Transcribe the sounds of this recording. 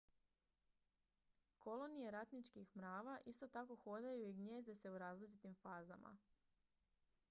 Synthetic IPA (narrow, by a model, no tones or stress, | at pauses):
ko̞lo̞nije̞ɾat̪nit͡ʃkixmɾaːʋaʔist̪o̞t̪ako̞xo̞d̪ajuiɡɲe̞ːzd̪ese̞uɾaːzlit͡ʃit̪imfaːza̰mʔa̰